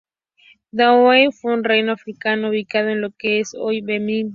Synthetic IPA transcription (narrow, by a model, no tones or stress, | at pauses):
d̪awejfweunrejnoafɾikanouβikaðoenlokeesojbemi